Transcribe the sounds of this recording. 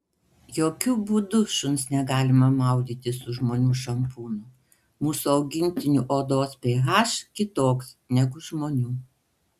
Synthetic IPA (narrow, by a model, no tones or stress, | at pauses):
joːkʲʊbuːd̪ʊʃʊnsnʲɛɡɑːlʲɪmɐmɑˑʊd̪ʲiːt̪ʲɪsʊʒmoːnʲuːʃɐmpuːnʊ | muːsuɒʊɡʲɪŋʲt̪ʲɪnʲuʔoːd̪oːspʲeːɣɑːʃkʲɪt̪oːksnʲɛɡʊʒmoːnʲuː